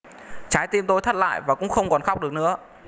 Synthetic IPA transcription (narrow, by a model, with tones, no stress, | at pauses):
t͡ɕaː˨˦jt̪i˧mt̪o˧jt̪ʰə˦˥t̚la̰ː˧˨jvaː˨˩kʊ̰˧˥ŋ͡mxə˧wŋ͡mkɔ˨˩nxa˦˥wk͡p̚ɗɨ˨˩ək̚nɨ̰˧˥ə